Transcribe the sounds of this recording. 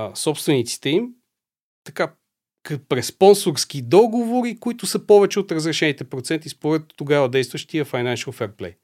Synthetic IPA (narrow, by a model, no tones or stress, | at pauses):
sɔpst̪vɛnit̪si̥t̪ɛim | t̪ɐka | kpɾɛssːpɔnsoɾsk̟id̪ɔɡovoɾikoit̪ʊsəpɔvɛt͡ʃɛot̪ɾəzɾɛʃɛnit̪ɛpɾot̪sɛnt̪ispoɾɛt̪ːoɡavɐd̪ɛjst̪vəʃt̪iɐfajnanʃəlˠfɛɾplɛ̰j